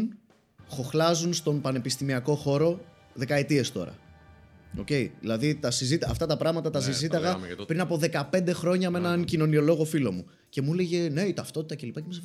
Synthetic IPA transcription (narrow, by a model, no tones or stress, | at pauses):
n | xo̞xlɐzunst̪o̞npɐne̞pist̪imiɐko̞xo̞ɾo̞ | ðe̞kɐet̪ie̞st̪o̞̰ɾɐ̰ | o̞̰ce̞iðḭlɐðit̪ɐsizit̪ɐ̰ft̪ɐt̪ɐpɾɐɣmɐt̪ɐt̪ɐs̬izit̪ɐɣɐpɾinɐpo̞ðe̞kɐpe̞nd̪e̞xɾo̞ɲɐmee̞nɐncino̞nio̞lo̞ɣo̞filo̞mu | ce̞mule̞ʝe̞ne̞it̪ɐft̪o̞t̪it̪ɐce̞lipɐcemis